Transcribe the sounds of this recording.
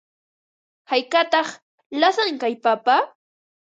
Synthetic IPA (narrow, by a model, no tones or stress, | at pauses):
hajkat̪ɑχ | lasaŋkajpapa